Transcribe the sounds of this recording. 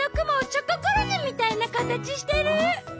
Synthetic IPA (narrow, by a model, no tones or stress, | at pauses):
okɯ̟mot͡ɕokokoɾoɲimʲit̪ainakat̪at͡ɕiɕi̥t̪e̞ɾɯ̟